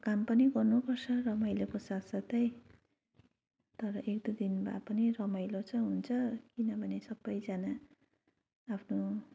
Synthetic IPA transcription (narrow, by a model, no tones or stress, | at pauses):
kampʌniɡʌrnupʌrt͡sʰʌrʌmʌjlokosat̪sʌt̪ʌj | t̪ʌɾʌʔekd̪ud̪inba̰pʌnirʌmʌjlot͡sʰʌɦunt͡sʰʌkinʌbʱʌnesʌbːʌjd͡zana | pʰno